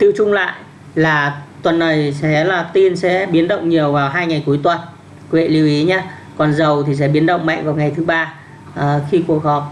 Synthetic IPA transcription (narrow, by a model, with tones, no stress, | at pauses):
t̪ḭ˧˨wt͡ɕʊ˧ŋ͡mla̰ː˧˨jʔ | laː˨˩t̪wə˨˩nːə˨˩jsɛ̰˧˥laː˨˩t̪i˧nsɛ̰˧˥ɓi˨˦ənɗə̰˧˨wŋ͡mɲi˨˩əwvaː˨˩wɦaː˧jŋa˨˩jku˨˦əjt̪wə˨˩n | kwḛ˧˨li˧əwʔi˨˦ɲaː˧ | kɔ˨˩nzə˨˩wt̪ʰi˨˩s̬ɛ̰˧˥ɓi˨˦ənɗə̰˧˨wŋ͡mma̰˧˨jŋ̟vaː˨˩wŋa˨˩jt̪ʰɨ˨˦ɓaː˧ | ə˨˩xi˧ku˨˩ək̚hɔ˨˩p̚